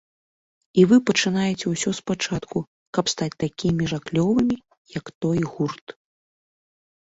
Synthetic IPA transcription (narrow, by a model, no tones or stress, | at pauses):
ivɨpɐt͡ʂɨnajɛt͡sʲɛwsʲɔspat͡ʂat̪ku | kɐpst̪at͡sʲt̪akʲimʲiʐaklʲɔvɨmʲi | jɐkt̪ɔjɣurt̪